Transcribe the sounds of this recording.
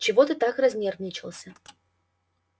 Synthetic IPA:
t͡ɕɪvot̪ɨt̪akrɐzʲnʲervnʲɪt͡ɕɪlˠəsʲə

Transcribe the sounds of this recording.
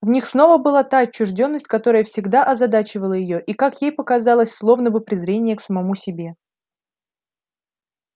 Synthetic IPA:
vnʲixsno̞vəbɨlˠat̪aɐt͡ɕːʊʐdʲo̞nːəsʲtʲkɐt̪o̞ɾəjəfsʲɪɡd̪aʔɐzɐd̪at͡ɕɪvəlˠəjɪjo̞ʔikakjejpəkɐzɑlˠəsʲslˠovnəbɨpɾʲɪzɾʲenʲɪjəksəmɐmusʲɪbʲe̞

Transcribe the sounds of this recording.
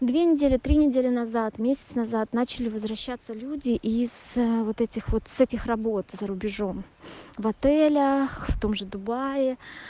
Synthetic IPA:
d̪vʲenʲɪdʲelʲɪt̪ɾʲinʲɪdʲelʲɪnɐzat̪mʲesʲɪt̪snɐzat̪nat͡ɕɪlʲɪvəzvɾɐɕːat̪səlʲudʲɪʔiz̥vo̞t̪ɛtʲɪxvo̞t̪sɛtʲɪxrɐbo̞t̪zəɾʊbʲɪʐo̞m | vɐt̪ɛlʲəxft̪o̞mʐɨd̪ʊbajɪ

